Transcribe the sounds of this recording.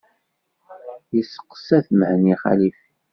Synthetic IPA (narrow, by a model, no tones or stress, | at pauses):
jəsə̥qːə̥sæθməhniχæ̰lif